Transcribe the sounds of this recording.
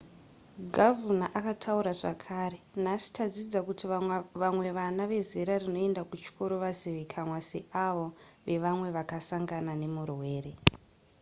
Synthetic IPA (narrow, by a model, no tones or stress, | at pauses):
ɡʱavunaʔakatʰauɾaʐakʰaːɾe̞nasi̥tʰad͡zid͡zakutiʋamwe̞ʋanaʋe̞zeɾarino̞e̞ndakut͡ʃi̥kʰo̞ɾo̞ʋaziʋekʰamwaseʔaʋo̞ʋe̞ʋamwe̞ʋakasaŋɡanane̞murwe̞ːɾe̞